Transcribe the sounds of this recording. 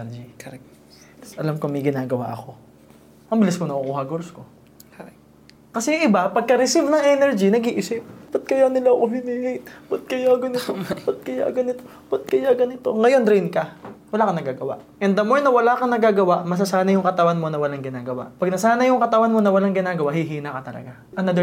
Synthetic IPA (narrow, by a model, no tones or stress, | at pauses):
d͡ʒi | t̪ɐsʔɐlamkoŋmɐjɡɪnaːɡɐwa̰ʔɐ̰ko̞ | mɐmbɪlɪsmonɐʔʊkuːhɐɡoɾsko̞ | kɐsɛjʊŋʔɪbapɐɡ̚kɐɾɪsivnɐŋʔɛnɛɹd͡ʒinɐɡiʔɪsɪp̚pɐt̪̚kɐjanɪlaɐkoɦɪniːhɪt̪pɐt̪̚kɐjaːɡɐnɪt̪opɐt̪̚kɐja̰ːɡɐnɪt̪o̞ | pɐt̪̚kɐjaːɡɐnɪt̪o̞ŋɐjo̞nd̪ɾinkɐwɐlaːkɐnɐɡaːɡɐwa̰ʔʔɛnd̪ɐmoɹnɐwɐlaːkɐnɐɡaːɡɐwaʔmɐs̬ɐsaːnɐjʊŋkɐt̪ɐwanmo̞nɐwɐlaŋɡɪnaːɡɐwa̰ʔpɐɡ̚nɐsaːnɐjʊŋkɐt̪ɐwanmo̞nɐwɐlaŋɡɪnaːɡɐwahiɦiːnɐkɐt̪ɐlɐ̰ɡa | ʔɐnɐd̪ɛ